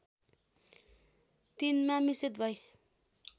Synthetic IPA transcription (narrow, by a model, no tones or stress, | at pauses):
t̪inmamisit̪bʱʌj